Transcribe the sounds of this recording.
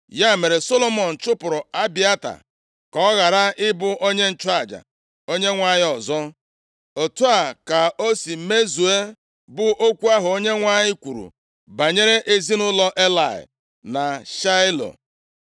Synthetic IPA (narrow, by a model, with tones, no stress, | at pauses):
ja˦˨me˨ɾe˨so˦lo˦mɔ˨n̩˨t͡ʃʊ˦pʊ˨ɾʊ˨a˦bi˦a˦ta̰˨ | kɔ˨˦ɣa˨ɾa˦ɪ˦bʊ˨ʔo˦ɲe˦n̩˦˨t͡ʃa˨d͡ʒa̰˨ | o˦ɲe˦ŋʷa˦˨ɲɪ˦ɔ˨zɔ˦ | o˨tu˦a˨ka˨o˦si˨˦me˦zu˨e˦ | bʊ˨ʔo˦kʷu˦a˦ɦʊ˨o˦ɲe˦ŋʷa˦ɲɪ˦kʷu˨ɾṵ˨ | ba˨ɲe˦ɾe˦ʔe˦zi˦nʊ˦lɔ˦ʔe˦la˨ɪ̰˨ | na˨ʃa˦ɪ˦lo̰˨